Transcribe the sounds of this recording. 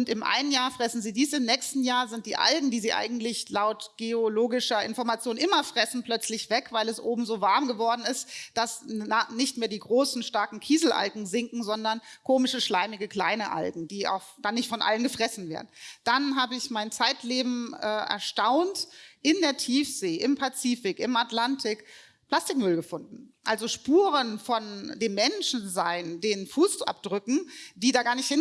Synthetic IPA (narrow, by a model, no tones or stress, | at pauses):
ʊntɪmʔa̰ɪnənjaːɐfʁ̥ɛsn̩ziːdiːsɪmnɛːçstn̩jaːɐzɪnt̚d̥iːʔa̰lɡŋ̩diːziːʔa̰ɪɡŋ̩tlɪçlaʊtɡ̥eoloːɡɪʃɐʔɪnfɔɐmat͡sjoːnʔɪmɐfʁ̥ɛsn̩pl̥œt͡slɪçv̥ɛkv̥aɪlɛsʔoːbm̩zoːvaɐmɡəvɔɐdn̩ɪstd̥asanɪçtmeːɐdiːɡʁoːsn̩ʃtaɐkŋ̩kʰiːzl̩ʔa̰lɡŋ̩zɪŋkŋ̩zɔndɐnkʰoːmɪʃəʃlaɪmɪɡəkʰl̥aɪnəʔa̰lɡŋ̩d̥iːa̰ʊxd̥anːɪçtfɔnʔa̰lənɡəfʁ̥ɛsn̩vḛːɐdn̩d̥anɦaːbəɪçmaɪnt͡saɪtleːbm̩ɛːʔɛ̰ɐʃtaʊntʔɪndeːɐtʰiːfz̥eːʔɪmpʰat͡siːfɪkʔɪmatlantʰɪk | pl̥astɪkmʏlɡəfʊndn̩ʔalzoʃpuːʁənfɔndeːmːɛnʃn̩zaɪndeːnfuːsʔa̰p̚d̥ʁʏkŋ̩d̥iːdaːɡaːɐnɪçthɪn